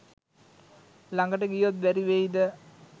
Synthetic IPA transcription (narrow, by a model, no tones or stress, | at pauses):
laŋɡəʈəɡijot̪ʋæɾiʋeid̪ə